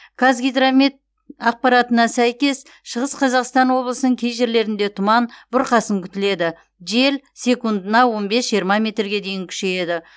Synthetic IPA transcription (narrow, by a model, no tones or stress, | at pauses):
kʰazɡʲijd̪ramet̪̚ | ɑq̚pɑɾɑt̪ənɑsæjkʲe̞s | ʃəʁəsqʰɑzɑqst̪ɑnwo̞blˠəsənəŋkʲʰejʒe̞ɾle̞ɾɪnd̪e̞t̪ʰʊmɑnb̥ʊɾqɑsəŋkʲʰʏ̥t̪ɪle̞d̪ɪ | ʒe̞lsʲe̞kund̪ənɑwo̞nbe̞sʒijəɾmɑmʲe̞t̪rɡʲe̞d̪e̞jɪŋkʲʰʏ̥ʃe̞je̞d̪ɪ